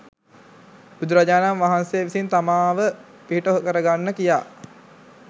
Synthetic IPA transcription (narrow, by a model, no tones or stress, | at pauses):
bud̪uɾaɟaːnamʋaɦansejəʋisint̪amaːʋə | piɦiʈoɦokəɾəɡanːəkija̰ː